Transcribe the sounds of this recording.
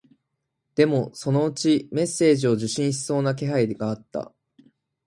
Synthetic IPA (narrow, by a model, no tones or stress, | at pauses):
d̪̥e̞mo̞so̞no̞ɯt͡ɕime̞sːe̞ːʑio̞ʑɨɕĩɰ̃ɕi̥so̞ːnak̬e̞ɦaid̪e̞ɡaat̪ːa̰